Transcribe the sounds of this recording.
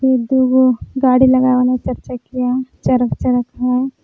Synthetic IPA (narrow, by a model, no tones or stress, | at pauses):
id̪uɡoɡaːɽilɐɡaːʋnet͡ʃɐɾt͡ʃakijat͡ʃɐɾəkt͡ʃɐɾəkɦɛ̃ː